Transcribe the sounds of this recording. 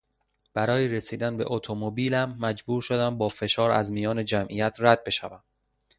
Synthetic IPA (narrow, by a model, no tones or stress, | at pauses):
b̥æɾɒːjeɾesiːd̪ænbe̞̰ʔot̪ʰomobiːlæmːæd͡ʒbuːɾʃo̞d̪æmbɒːfe̞ʃɒːɾæ̰zmijɒːne̞d͡ʒæmʔijæt̪ʰræd̪̚be̞ʃævæm